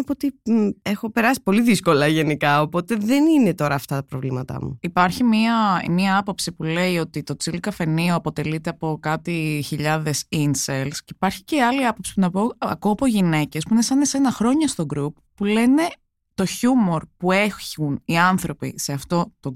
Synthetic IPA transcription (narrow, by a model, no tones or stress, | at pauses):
pot̪iexo̞pe̞ɾɐsi̥po̞liðisko̞lɐʝe̞nikɐo̞po̞t̪e̞ðeninet̪o̞ɾɐːft̪ɐt̪ɐpɾovlḭmɐt̪ɐ̰mṵipɐɾçimiɐmiɐɐpo̞psipule̞io̞t̪it̪o̞t͡silkɐfe̞nioɐpo̞t̪e̞lit̪e̞ɐpo̞kɐt̪içiʎɐðe̞sinselsceipɐɾçi̥ceɐliɐpo̞psi̥punɐpoɐ̰koɐpo̞ʝine̞ce̞spuinesɐnese̞nɐxɾo̞ɲɐst̪o̞ɡɾupːule̞ne̞ | t̪o̞çumo̞ɾpue̞çuniɐnθɾo̞pḭse̞ɐft̪o̞t̪o